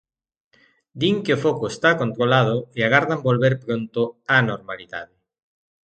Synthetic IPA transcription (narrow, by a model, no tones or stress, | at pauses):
d̪iŋkeofokʊest̪akont̪ɾolað̞ʊeaɣ̞aɾðambolβeɾpɾont̪ʊanoɾmaliða̰ðɪ